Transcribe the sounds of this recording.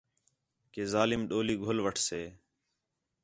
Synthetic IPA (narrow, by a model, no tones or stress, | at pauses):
keːzaːlɪmɗoːliːɡʱolʋəʈʰseː